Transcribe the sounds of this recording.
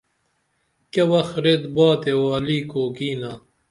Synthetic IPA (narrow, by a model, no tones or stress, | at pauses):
kɐwɐxɾet̪baːt̪ewaːliːkoːkiːnaː